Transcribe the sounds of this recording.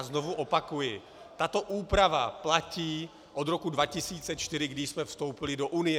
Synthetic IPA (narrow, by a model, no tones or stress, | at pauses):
znovuʔopakujɪ | t̪at̪o̞ʔuːpɾavaplaciː | ʔod̪ɾo̞kudvacɪsiːt͡sɛt͡ʃt̪ɪɾɪɡdɪʃsmɛfst̪owpɪlɪdoʔunɪjɛ